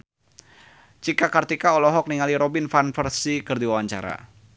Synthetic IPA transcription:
t͡ʃikakart̪ikaɔlɔɦɔk̚niŋaliɾɔbinfanfərsikɨrd̪iwawaɲt͡ʃa̰ɾa̰

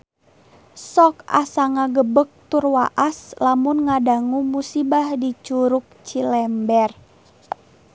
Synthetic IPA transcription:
sɔka̰saŋaɡəbək̚t̪urwaʔaslamunŋadaŋumusibahdit͡ʃuɾuk̚t͡ʃilɛmbɛr

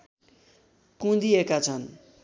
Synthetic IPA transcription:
kũd̪iekat͡sʰʌn

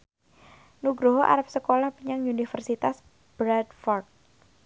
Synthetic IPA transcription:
nuɡɾoɦoʔa̰ɾap̚səkolahpiɲaŋunifərsit̪as | b̥ɾadfɔrt̪̚

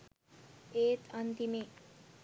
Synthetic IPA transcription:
eːt̪ʰɐnt̪ime

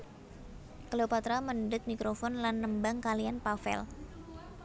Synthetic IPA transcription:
kəleopat̪ɾaməndʊt̪̚mikɾofɔnlanːəmbaŋkalianpafɛ̰l

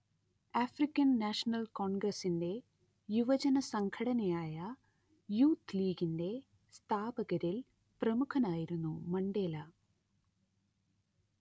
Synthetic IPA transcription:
aːfrikʲːɐnːaːʂɐnɐlko̞ːɳɡrɐsinde̞ | juʋɐd͡ʑɐnɐsɐŋkʰɐɽɐnɐjaːjɐ | juːt̪liːɡinde̞ | st̪ʰaːbɐɣɐɾil | prɐmukʰɐnaːjiɾunːumɐɳɖe̞ːlɐ

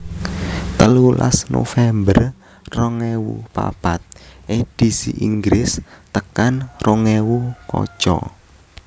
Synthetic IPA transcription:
t̪əlula̰snofɛmbər | rɔŋewupa̰b̥at̪̚ʔed̥isiʔiŋɡɾɪst̪əkanrɔŋewukɔ̰̥ʒ̥ɔ

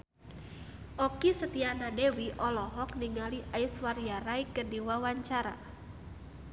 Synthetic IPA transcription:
ʔɔkisət̪ianadewiʔɔlɔɦɔk̚niŋaliʔajswarjaɾaikərdiwawaɲt͡ʃaɾa̰

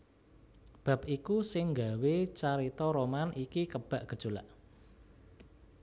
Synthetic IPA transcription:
b̥ä̤p̚ikusɪŋŋɡawet͡ʃaɾit̪ɔɾomanʔikikəb̥a̤ʔɡ̥əd̥ʒ̥o̤la̰ʔ

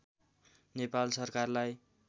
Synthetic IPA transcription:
nepalsʌrkarlaj

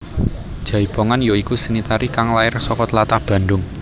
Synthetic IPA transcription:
d̥ʒ̥a̤ib̥oŋanjoikusənit̪aɾikaŋlaɪrsɔkɔt̪lat̪ahb̥ä̤ndʊŋ

